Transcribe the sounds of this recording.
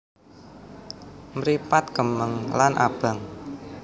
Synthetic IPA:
mɾipat̪kəməŋlanʔa̰b̥a̤ŋ

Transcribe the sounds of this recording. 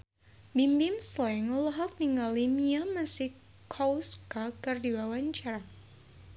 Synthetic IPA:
bimbɪmslɛŋulaɦak̚niŋɡalimiamasɪh | kʰawskakɨrdiwawaɲt͡ʃaɾa

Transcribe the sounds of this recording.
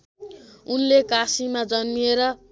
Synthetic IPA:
unlekasimad͡zʌnmieɾʌ

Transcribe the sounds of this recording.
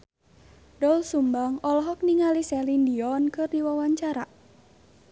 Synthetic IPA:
dɔulsumbaŋɔlɔɦɔk̚niŋalisɛlindiɔnkɨrdiwawaɲt͡ʃaɾa

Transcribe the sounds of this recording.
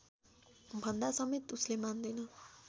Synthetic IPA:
bʱʌnd̪asʌmet̪uslemand̪ʌnʌ

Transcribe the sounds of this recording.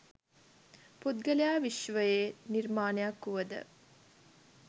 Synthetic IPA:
pud̪ɡəlejaːʋiʃʋəjeːnirmaːnejakːuʋəd̪ə̰

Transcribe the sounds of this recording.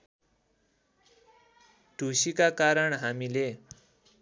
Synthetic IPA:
ɖʱusikakaɾʌɳɦamile

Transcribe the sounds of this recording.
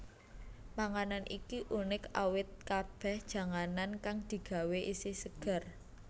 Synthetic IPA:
maŋananʔikiʔunɪka̰wɪt̪̚kab̥ɛ̤hd̥ʒ̥ä̤ŋanankaŋd̪̥i̤ɡ̥ä̤weʔisɪsəɡ̥a̤r

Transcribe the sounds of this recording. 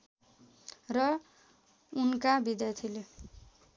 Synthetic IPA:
rʌ | unkabid̪jajt̪ʰile

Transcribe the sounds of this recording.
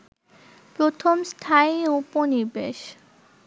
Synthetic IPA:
pɾot̪ʰomst̪ʰaiuponiɾbeʃ

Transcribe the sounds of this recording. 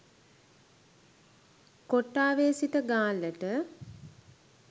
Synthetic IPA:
koʈːaːʋeːsitəɡaːləʈə

